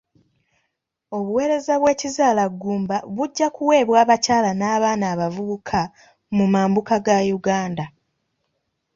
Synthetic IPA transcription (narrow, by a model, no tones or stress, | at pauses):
o̞βuwe̞ːɾe̞zaβwe̞ːcizaːlaɡːuːmbaβuɟːakuwe̞ːβwaːβacaːlanaːβaːnaːβavuβukʰa | mumaːmbukaɡajuɡaːnda